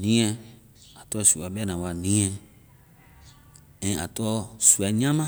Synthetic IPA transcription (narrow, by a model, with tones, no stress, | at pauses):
nĩ˦ɛ̃˧ | a˨tɔ˦su˨a˨bɛ˦nã˨wa˨nĩ˦ɛ̃˦ | ɛ̃˨a̰˨tɔ˦su˨ɛ˨˦ɲã˦mã˦